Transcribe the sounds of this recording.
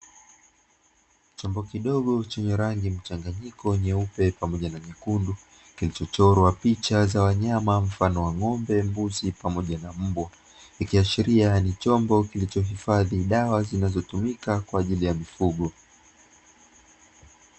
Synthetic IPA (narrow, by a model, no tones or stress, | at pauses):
t͡ʃɔmbɔkiɗɔɠɔt͡ʃɛɲɛɾaŋɡim̩t͡ʃaŋɡaɲikɔɲɛupɛpamɔʄanamikundu | kilit͡ʃɔt͡ʃɔɾɔwapit͡ʃazawaɲamam̩fanɔwaŋɔmbɛmbuzipamɔʄanam̩bwa | ikiaʃiɾianit͡ʃɔmbɔkilit͡ʃɔɦifaðiɗawazinazɔtumikakwaːʄilijamifuɠɔ